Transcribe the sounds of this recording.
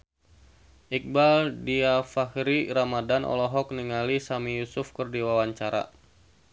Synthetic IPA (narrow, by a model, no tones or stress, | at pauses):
ʔik̚baldiafahɾiɾamadanʔɔ̰lɔɦɔk̚niŋalisamijusʊfkərdiwawaɲt͡ʃaɾa̰